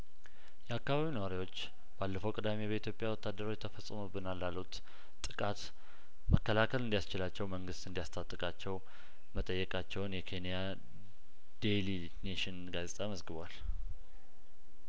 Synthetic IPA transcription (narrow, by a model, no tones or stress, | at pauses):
jɛakːaβaβinəwaɾiwo̞t͡ʃː | b̥alːəfəwkʼɨd̪amebəit̪ʰjo̞pʼjawɔt̪ʰːad̪əɾo̞t͡ʃːt̪ʰəfəsʼːəmubːɨnalːalut̪ʼ | ɨkʼat̪ | məkːəlakʰəlɨnd̪ijast͡ʃɪlat͡ʃːɛwməŋɡɨst̪ɨnd̪ijast̪ʰat̪ʼːɨkʼat͡ʃːɛw | mət̪ʼəjːɛkʼat͡ʃːɛwnjɛkʰe̞nija | d̪̥eli | neʃɪnɡazet̪ʼaməzɡɨβwal